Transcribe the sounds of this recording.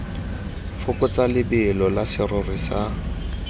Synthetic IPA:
fʊkʊt͡salɪbɪːlɔlasɪrʊrisa

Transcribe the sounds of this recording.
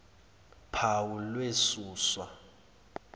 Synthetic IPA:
pʰawulwesuːswa

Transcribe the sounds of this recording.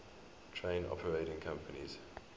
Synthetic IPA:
tʰɹẽɪ̃nɔ̰pʰəɹeɪɾɪ̃ŋkʰãmpənḭz̥

